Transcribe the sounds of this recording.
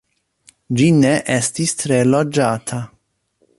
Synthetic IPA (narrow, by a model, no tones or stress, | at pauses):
d͡ʒineʔestistɾelod͡ʒatʰa